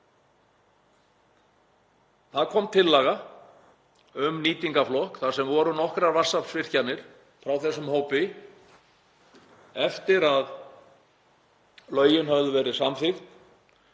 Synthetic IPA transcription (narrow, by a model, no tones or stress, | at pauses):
θaðkʰɔmt̪ʰɪlːaːɣa | ʏmniːt̪iŋkaflɔhkθaðsɛmvɔɾʏnɔhkɾaɾvar̥sapsvɪr̥canːɪɾ̥ | fɾawθɛsːʏmhoːwpɪ | ɛft̪ɪɾað | lœːɥjɪnɦavðʏvɛːɾɪsamfɪxt̪